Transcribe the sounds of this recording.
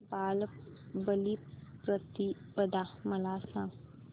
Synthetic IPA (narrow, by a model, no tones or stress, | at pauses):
baːlbəlipɾət̪ipəd̪amɐlaːsã